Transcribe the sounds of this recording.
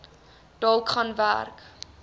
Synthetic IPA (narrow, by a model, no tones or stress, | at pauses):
d̥ɑːlkχɑnvæ̰rk